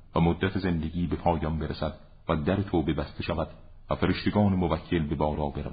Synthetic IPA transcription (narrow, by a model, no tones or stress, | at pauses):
væmod̪ːæt̪ʰeze̞nd̪eɡʲiːbe̞pʰɒːjɒnbe̞ɾesæd̪ | væd̪æɾet̪ʰoːbe̞bæst̪e̞ʃævæd̪̥ | væfeɾeʃt̪eɡɒːnemovækʰːe̞lbe̞bɒːɾɒːbeɾæ̰v